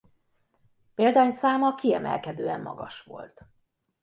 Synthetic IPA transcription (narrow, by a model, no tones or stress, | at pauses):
peːld̪aːɲsaːmɒkiɛmɛ̰lkɛd̪øːɛmːɒ̰ɡɒʃʋo̞̰lt̪